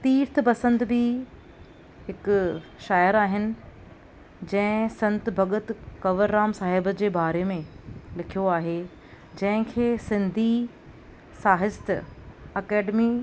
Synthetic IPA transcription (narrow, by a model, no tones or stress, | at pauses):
t̪iːɾt̪ʰpɐsə̃nd̪bɪ | ɦɪkʃaːjəɾaːɦɪnɪ̆ | d͡ʑɐ̃ɦɪ̃sɐ̃nt̪bʱɐɠət̪kɐʋəɾːaːmsaːɦɪbəd͡ʑeːbaːɾemẽlɪkʰijoaːɦe | d͡ʑɐ̃ɦɪ̃kʰeːsɪ̃nd̪ʱi | saːɦɪst̪ɐkɛːɖmi